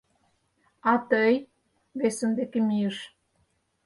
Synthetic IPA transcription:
ɑt̪əj | βesə̆nd̪ekemijəʃ

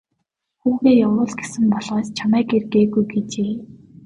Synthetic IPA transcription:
xuːɣeːjawɾʊːɮɡesɘ̆mpɔɮʁaːst͡ɕʰamæːkerɡeːɣujɡet͡ɕeː

